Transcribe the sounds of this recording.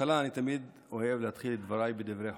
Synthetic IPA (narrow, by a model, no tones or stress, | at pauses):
alaːnit̪amid̪ | o̞hevleat̪χiled̪vaɾajbed̪ivɾeħ